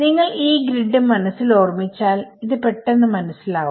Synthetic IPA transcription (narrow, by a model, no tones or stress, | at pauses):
niŋːɐɭiːɡɾiɖːɨmɐnɐsːilo̞ːrmit͡ɕːaːliðɨpe̞ʈːe̞nːɨmɐnɐsːilaːʋum